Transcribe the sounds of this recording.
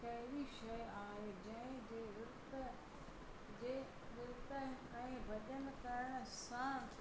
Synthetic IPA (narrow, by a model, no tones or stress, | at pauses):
kɐɦɪɾiʃɐjaːɦed͡ʑɐ̃ɪ̃d͡ʑeːɾʊɾt̪ə | d͡ʑeː | ɗʊɾt̪ə | ɛ̃ːʋɐʄən̆kɐɾəɽ̃əsã